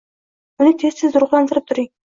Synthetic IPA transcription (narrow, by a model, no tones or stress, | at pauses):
ʊnɪt̪ʰessɪzʊɾʊʁlˠɑnt̪ɪɾɪp̚t̪ʰʊɾiŋ